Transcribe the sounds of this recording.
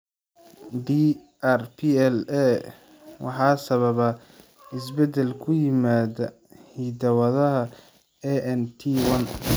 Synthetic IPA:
ɖi | ʔɛrpʰiɛlɛ | wɑ̰ħɑːsɐβɐβɐ | ɪs̬bɛd̪ɛlkʰʊjɪmaːðɐ | hiːd̪ɐwɐðɐɦɐ | ɛʔɛnt̪ʰiwɐn

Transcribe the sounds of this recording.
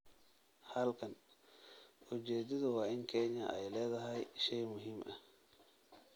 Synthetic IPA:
hɐlkʰɐn | ʔʊt͡ʃɛːd̪ɐðʊwɑːɪŋkʰɛɲɐʔɛjlɛːðɐɦɐjʃɛjmʊɦiːmʔɐ̰

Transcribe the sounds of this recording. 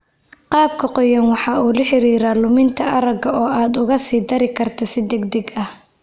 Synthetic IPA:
qɑːb̚kʰɐqɔjɐnwɑħɑːuːlɐħɪɾiːɾaːlʊmɪnt̪ʰɐʔɐɾɐɡɐɔːaːd̪ʊɣɐsiːd̪ɐɾɪkʰɐrt̪ʰɐsɪd̪ɛɡd̪ɛɡɐh

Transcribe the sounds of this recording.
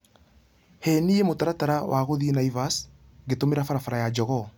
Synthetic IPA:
hɛniemotaɾataɾawʔaɣoðinaivas | ɣetomeɾafaɾafaɾajad͡ʒɔɣɔ

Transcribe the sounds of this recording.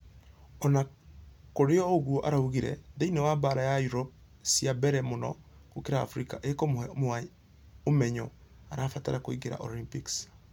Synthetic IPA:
ɔnakoɾeɔoɣuoʔaɾauɣiɾɛ̰ðeinewabaɾajajuɾɔp̚ | siabɛɾɛmonɔkokeɾa̰ːfɾikaʔekommoa | omɛɲɔ | aɾaːfata̰ɾakoiɡeɾa̰ʔolimpiks

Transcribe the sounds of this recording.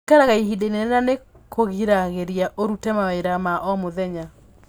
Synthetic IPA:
kaɾaɣaihidenenɛnane | kʰoɣiɾaɣeɾjaʔoɾutɛmaeɾamaʔɔmoðɛɲa

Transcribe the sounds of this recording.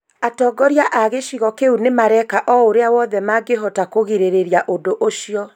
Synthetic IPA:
atɔːɡɔɾjaʔaɣeʃiɣɔkeunemaɾɛkaʔɔoɾeawɔðɛmaɡeɦɔtakoɣeɾeɾeɾiaʔodoʔoʃiɔ

